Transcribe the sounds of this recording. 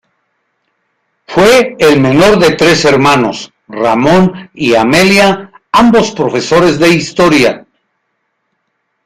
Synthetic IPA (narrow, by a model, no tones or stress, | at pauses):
fweːlme̞no̞ɾðe̞t̪ɾe̞se̞ɾmano̞̰s | ramo̞niame̞lja | ambo̞spɾo̞fe̞so̞ɾe̞zðe̞ist̪o̞ɾja